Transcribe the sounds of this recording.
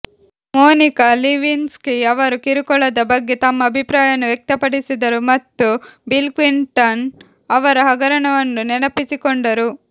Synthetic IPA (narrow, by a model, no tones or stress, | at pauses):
moːnikɐliʋinskiɐʋɐɾukiɾukɔɭɐd̪ɐbɐɡːet̪ɐmːɐːbʱipɾaːjɐnuʋjek̚t̪ɐpɐɽisid̪ɐɾumɐt̪ːubilkʋiɳʈɐn | ɐʋɐɾɐɦɐɡɐɾɐɳɐʋɐnːunɛnɐpisikoɳɖɐɾu